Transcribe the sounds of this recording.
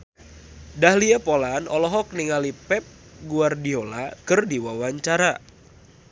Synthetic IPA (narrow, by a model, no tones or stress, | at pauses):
dahliapolanɔlɔɦɔk̚niŋalipɛp̚ | ɡuardiolakərdiwawaɲt͡ʃaɾa